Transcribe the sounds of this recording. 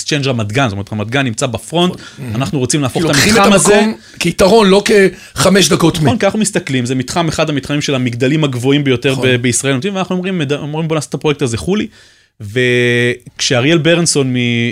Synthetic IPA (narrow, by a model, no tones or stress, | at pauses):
st͡ʃend͡ʒamad̪ɡansomeet̪amad̪ɡanːimt͡sabafʁo̞nt̪anaχnuʁot͡simlaːfoχetamitiaamazkom | keit̪aʁo̞nlo̞ke | χameʃd̪ako̞monkianaχnumist̪aklimzemit̪χameχad̪amit̪χamimʃe̞lamiɡd̪alimhaɡvo̞imbejo̞t̪eʁebeisʁaelnomt͡sivanaχnuomʁimːedomʁimbo̞naːsḁt̪ːapʁo̞jektazeχuli | ve̞kʃeaʁielbeʁnso̞nmi